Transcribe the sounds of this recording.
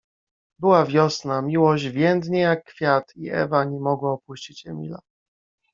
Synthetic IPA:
bɘwavʲjɔsnamʲiwɔʑd͡ʑvʲjɛnd̪ɲɛjakːfʲjat̪iɛ̰vaɲɛmɔɡwaɔpuɕt͡ɕit͡ɕɛmʲḭla

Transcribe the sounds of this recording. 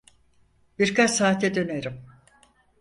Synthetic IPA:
b̥iɾkat͡ʃsaːt̪ʰɛd̪ø̞neɾim

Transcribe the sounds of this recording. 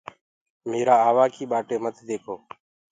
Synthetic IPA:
meːɾaːaːʋaːkiːɓaːʈeːmət̪d̪eːkʰoː

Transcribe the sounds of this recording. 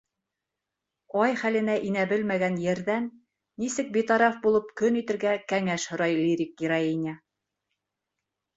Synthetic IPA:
ɑjχælɘ̆næʔinæbɘlmæɡænjɘ̆ɾðænː | isɘk̚bit̪ɑɾɑfbulˠɤpkɵnit̪ɘ̆ɾɡækæŋæʃhŏɾɑjlʲiɾʲik̚ɡiɾɑinʲa

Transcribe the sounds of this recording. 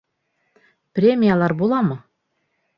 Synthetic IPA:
prʲemʲijalˠɑɾbulˠɑmɤ̆

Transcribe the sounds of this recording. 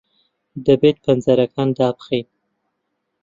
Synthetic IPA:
d̪əbet̪̚panzaɾakand̪ɑpxi

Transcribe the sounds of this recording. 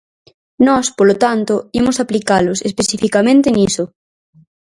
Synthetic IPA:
nɔspolot̪ant̪oʊimʊsaplikalosespesifikamẽnt̪eniso

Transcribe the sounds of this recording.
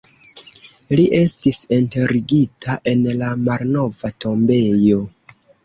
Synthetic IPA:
liʔe̞stisinte̞ɾiɡitʰaʔe̞nlamalno̞vatʰo̞mbe̞jo̞

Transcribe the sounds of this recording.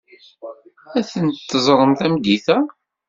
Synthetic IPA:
æθənt̪t̪ːəzˤɾˤənt̪æmd̪iθæ

